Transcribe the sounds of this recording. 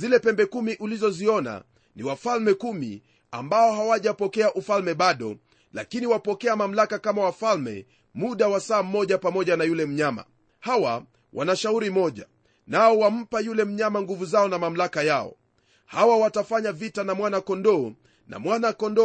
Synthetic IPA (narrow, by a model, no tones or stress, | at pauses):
zilɛpɛmbɛkumiʔulizɔziɔna̰ | niwafalmɛkumḭ | a̰mbaɔɦawaʄapɔkɛaʔufalmɛɓaɗɔ | la̰kiniwapɔkɛamam̩lakakamawafalmɛ̰ | muɗawasaːm̩ːɔʄapamɔʄanajulɛm̩ɲama̰ | hawa | wʔa̰naʃauɾimɔʄa̰ | naɔwam̩pajulɛm̩ɲamaŋɡuvuzaɔnamam̩lakajaɔ̰ | hawawatafaɲavitanamwanakɔndɔː | na̰mwanakɔndɔ